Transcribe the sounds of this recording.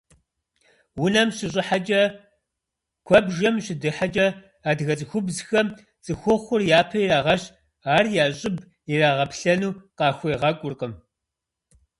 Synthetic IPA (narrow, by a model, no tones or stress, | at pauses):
wʊnɐmɕɪɕ̬ʼɪħat͡ʃʼɐ | kʷʰɐbʒɐmɕɪdɨħat͡ʃʼɐ | aːdɣɐt͡sʼɨxʷʊbzxɐm | t͡sʼɨxʷɔχʷʊrjaːpʰɐiɾaːʁɐɕ | aːrjaːɕʼɪb | iraːʁɐpɬɐnuːqɑːxʷejʁɐkʷʼʊrqəm